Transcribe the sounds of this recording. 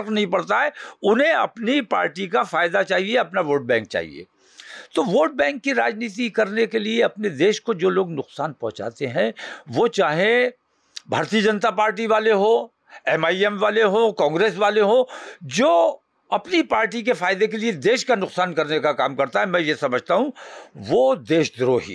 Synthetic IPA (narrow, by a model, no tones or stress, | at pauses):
knɐɦĩpɐɽt̪aɦɛʊnɦẽɐ̰pnipa̰ːɾʈikafaːɪd̪at͡ʃaːɦieɐpnaʋoːɾɖ̚bɛ̃ːŋk̚t͡ʃa̰ːɦḭḛː | t̪oʋoːɖ̚bɛ̃ːŋkːiɾaːd͡ʒniːt̪ikɐɾnekelieɐpned̪eːʃkod͡ʒoːloːɡnʊqsaːnpɐ̃ɦʊ̃t͡ʃa̰ːt̪eɦɛ̃ʋot͡ʃaːɦẽ | bʱa̰ːɾt̪iːəd͡ʒɐnt̪apaːɾʈiʋaːleɦo | ɛmaːiɛmʋaːleɦokãːŋɡɾeːs̬ʋaːleɦoːd͡ʒoː | ɐpnipaːɾʈik̬efaːɪd̪ekelied̪eːʃkanʊqsaːnkɐɾnekakaːmkɐɾt̪aɦɛmɛ̃jesɐməd͡ʒʱt̪aɦũʋoːd̪eːʃd̪ɾoːɦḭː